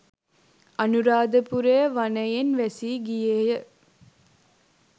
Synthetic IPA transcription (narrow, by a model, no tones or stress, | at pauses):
ɐnuɾaːd̪əpuɾejɐʋɐnɐjenʋæsiːɡijeːjə